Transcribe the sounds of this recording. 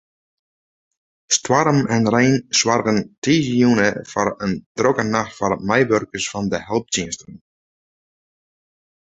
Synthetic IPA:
stwɑɾmɛnrejnswɑrɣəntiːziunəfɔɾəndrɔkənaxtfɔrmɛjʋøɾkəsfɑndəhɛlˠp̚tiənstən

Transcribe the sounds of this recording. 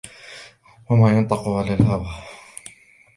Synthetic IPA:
wamaːjʊnt̪ˤɑqʊʕalaːlhawa

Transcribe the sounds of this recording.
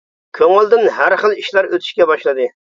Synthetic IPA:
kʲʰøŋɪlˠd̪ɪnɦæɾχəlˠiʃlˠæɾøt̪ʰy̥ʃkʲɛbɑʃlˠɨd̪ɨ

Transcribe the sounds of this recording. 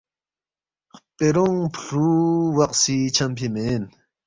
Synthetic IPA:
χpʼeɾoŋpʰɬuwɑqsit͡ʃʰampʰimeːn

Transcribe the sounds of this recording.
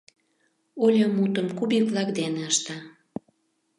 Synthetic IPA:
olʲəmut̪əmkubivlɑkd̪eneəʃt̪ɑ

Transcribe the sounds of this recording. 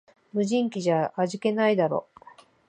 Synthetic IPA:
mɯ̟ʑĩŋkʲiʑaːʑike̞naid̪aɾo̞̰ː

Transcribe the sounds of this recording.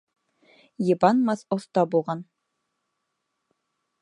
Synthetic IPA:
jɤ̆bɑnmɑθŏθt̪ɑbulˠʁɑn

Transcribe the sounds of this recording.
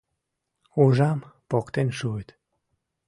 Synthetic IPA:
uʒɑmpokt̪enʃuet̪

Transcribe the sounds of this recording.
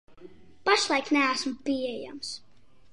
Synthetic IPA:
paʃlˠajknʲææsmpiɛja̰ms

